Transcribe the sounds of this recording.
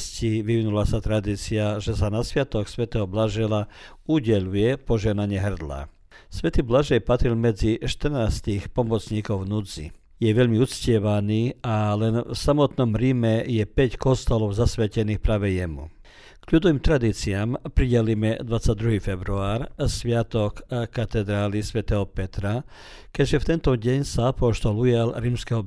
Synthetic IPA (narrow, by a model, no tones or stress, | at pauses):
sciʋiʋinulasat̪ɾad̪iːt͡siaʒɛsanasʋɪat̪ɔksʋɛt̪ɛɦɔblaʒɛla | uɟɛʎujɛpɔʒɪɛɦnaɲɪɛɦr̩d̪la̰ | sʋɛt̪iːblaʒɛjpat̪ɾilmɛd͡ziʃt̪ər̩naːst̪ixpɔmɔt͡sɲiːkɔʊnud͡zḭ | jɛʋɛʎmiut̪t͡scɪɛʋaniːalɛnfsamɔt̪nɔmɾiːmɛjɛpɛckɔst̪ɔlɔʊzasʋɛcɛniːxpɾaːʋɛjɛmṵ | kʎud̪ɔʋiːmt̪ɾad̪iːt͡siaːmpɾiɟɛlimɛd̪ʋat͡sːaɟ̚d̪ɾuɦiːfɛbɾuaːɾsʋɪat̪ɔkkːat̪ɛd̪ɾaːlisʋɛt̪ɛɦɔpɛt̪ɾa | kɛʒɛft̪ɛnt̪ɔɟɛɲsaapɔʃt̪ɔlujalɾiːmskɛɦɔ